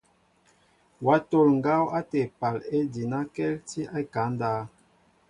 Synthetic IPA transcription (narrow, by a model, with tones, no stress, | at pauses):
wa˨˦to˦˨lŋ̩˨ɡa˦wa˦tɛ˨pa˨le˦di˨na˦kɛ˦lti˦a˦ka˨˦n˦daː˦